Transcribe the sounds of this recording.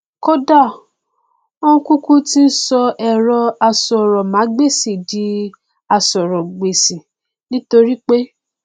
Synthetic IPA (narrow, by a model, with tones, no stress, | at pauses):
ko˦da˦˨ | o˦ũ˦ku˦ku˦ti˦n̩˦sɔ˧ʔɛ˨ɾɔ˧a˧sɔ˨ɾɔ˨mã˨˦ɡ͡be˦˨si˨di˨˦ | a˧sɔ˨ɾɔ˨ɡ͡be˨sĩ˨ | nĩ˦to˧ɾi˦k͡pe˦